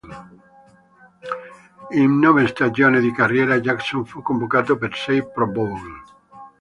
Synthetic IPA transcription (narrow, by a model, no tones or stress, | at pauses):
eŋnoβest̪ad͡ʒjoneðikarjeɾad͡ʒaksoɱfukombokat̪opeɾsejpɾobol